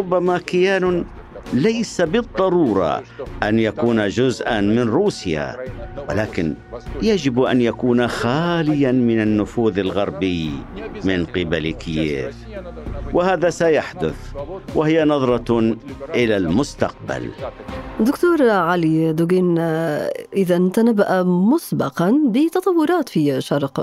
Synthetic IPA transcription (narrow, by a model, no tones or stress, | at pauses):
ɾʊbːamakɪjaːnʊ | lajsabɨd̪ˤːɑɾuːɾˤɑ̰ʔanjakuːnad͡ʒʊzʔanmɪnɾuːsja̰wɪ̰laːkɪn | jad͡ʒɪbʔa̰njakuːnaxaːlɪjamɪnanːʊfuːðalɣɑɾˤbɪjmɪnqɪba̰lkɪjḛːv | wɪhaːðasajaħd̪ʊθwɪhɪjːanɑðˤɾˤɑ | ʔɪlalmʊst̪ɑq̚ba̰l | d̪ʊkt̪uːɾˤʕalid̪ʊɡiːn | ʔɪðant̪anabːaʔamʊsbɑqɑnbɪt̪ɑt̪ˤɑwːʊɾˤɑːt̪fiːʃɑɾˤq